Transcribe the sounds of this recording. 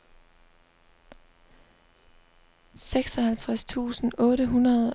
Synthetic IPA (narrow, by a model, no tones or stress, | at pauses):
seɡ̥sɒhælt͡sʰʁast͡sʰṵːsn̩ʔɔ̽ːɾəɦunɐð̩ˠ